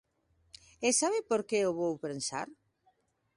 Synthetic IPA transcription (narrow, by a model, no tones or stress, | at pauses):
esaβɪpoɾkeoβowpensa̰ɾ